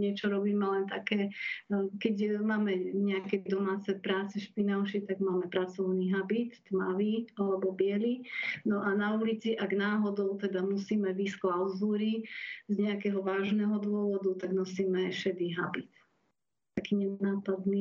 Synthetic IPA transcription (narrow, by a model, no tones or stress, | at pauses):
ɲɛt͡ʃɔɾɔbiːmɛlɛnt̪akɛː | kɛɟmaːmɛɲɛakɛd̪ɔmaːt͡sɛpɾaːt͡sɛʃpinaʊʃit̪aɡmaːmɛpɾat͡sɔʊniɦabit̪ːmaʋialɛbɔbɪɛlinɔʔanaulit͡siʔaɡnaːɦɔd̪ɔʊt̪ɛd̪amusiːmɛʋisklaʊzuːɾizɲɛakɛɦɔʋaːʒnɛɦɔd̪ʊɔʋɔd̪ut̪aɡnɔsiːmɛʃɛd̪iɦabit̪ | t̪akiːɲɛnaːpad̪ni